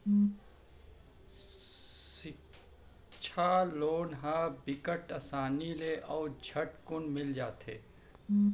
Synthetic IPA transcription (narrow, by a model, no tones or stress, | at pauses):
sɪ | t͡ʃʰaloːnɦabɪkəʈəsaːnileʔɔːd͡ʒʱəʈkʊnmɪld͡ʒaːt̪ḛː